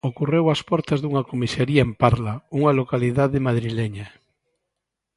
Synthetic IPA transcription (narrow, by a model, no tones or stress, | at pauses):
okurewaspɔɾt̪azðuŋakomiseɾiaempaɾlauŋalokaliðaðemaðɾileɲa